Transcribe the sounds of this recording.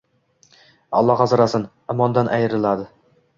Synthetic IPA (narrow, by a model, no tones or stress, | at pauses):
ɒ̰lˠːɒʁɑzɾasɪn | ʊmɒnd̪anʔajɾɪlˠad̪ɪ